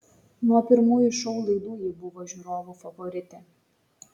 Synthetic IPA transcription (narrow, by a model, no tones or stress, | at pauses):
nuɔpʲɪɾmuːjuʃɔʊlˠɐɪd̪uːjɪbʊʋoːʒʲuːɾoːʋufɐʋɔɾʲɪt̪ʲɛ